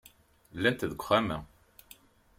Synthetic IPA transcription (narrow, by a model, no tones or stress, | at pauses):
lːænt̪ðəɡʷχæmæ